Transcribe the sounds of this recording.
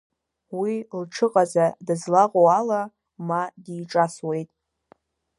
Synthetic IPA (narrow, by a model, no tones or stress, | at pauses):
wilʈ͡ʂʰɨqʼazadɨzlaqʼoala | madiːʈ͡ʂʼaswe̞jtʼ